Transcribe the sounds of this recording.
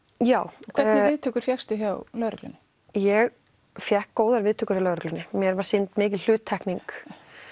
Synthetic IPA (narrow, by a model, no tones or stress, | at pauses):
jaːwkʰɛnɪðt̪ʰʏkʏɾ̥fjɛxst̪ʏçjawlœɾœ̰klʏ̰n | jɛɣ | fjɛhkːoːwðaɾvɪðt̪ʰʏːkʏɾalœːɾʏklʏnːɪmjɛɾvaɾ̥sint̪mɪːc̬ɪllʏːt̪ʰːahkniŋk